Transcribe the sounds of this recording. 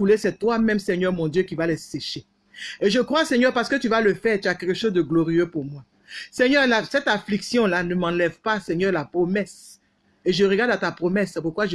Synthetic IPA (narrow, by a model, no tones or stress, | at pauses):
ulesɛt̪wamɛ̃msɛɲœʁmɔ̃d̪jøkʲivalɛseʃe | eʒəkχwasɛɲœʁpaʁsə̥kət̪yvaləfɛʁt̪yakɛlkəʃozd̪əɡlɔʁijøpuʁmwa | sɛɲœʁlasɛt̪afliksjɔ̃lanəmɑ̃lɛvpasɛɲœʁlapχɔmɛs | eʒəʁəɡaʁd̪at̪apχɔmɛsːɛpuʁkwaʒə